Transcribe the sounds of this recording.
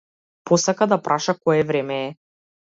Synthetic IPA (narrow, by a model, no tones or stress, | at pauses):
pɔsakad̪apɾʔaʃakɔɛvɾɛmɛː